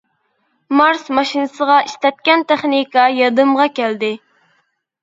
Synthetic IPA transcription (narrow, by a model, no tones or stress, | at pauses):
mɑɾsmɑʃinɨsəʁɑʔiʃt̪ɛt̪̚kʲɛnt̪eχnikɑjɑd̪ɨmʁɑkʲɛld̪ɪ